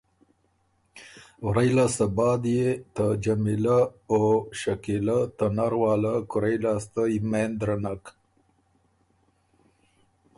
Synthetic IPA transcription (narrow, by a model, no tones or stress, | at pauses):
wɾajlasabɑd̪jet̪ad͡ʒamilaoʃakilat̪anaɾwɑːlakʊɾajlast̪aimend̪ɾanak